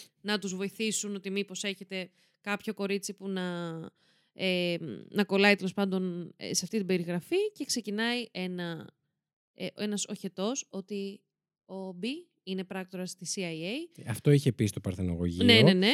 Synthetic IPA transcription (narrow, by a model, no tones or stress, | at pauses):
nɐt̪uzvo̞iθisuno̞t̪imipo̞se̞çe̞t̪e̞ | kɐpço̞ko̞ɾit͡sipunɐ | enɐko̞lɐit̪e̞lo̞spɐnd̪o̞nḛseɐft̪it̪ibe̞ɾiɣɾɐfice̞kse̞cinɐiʔe̞nɐ | eʔe̞nɐso̞çe̞t̪o̞so̞t̪i | o̞bi | ine̞pɾɐk̚t̪o̞ɾɐst̪isiɐjejɐft̪o̞içepist̪opɐɾθeno̰ɣo̰ʝine̞ne̞ne̞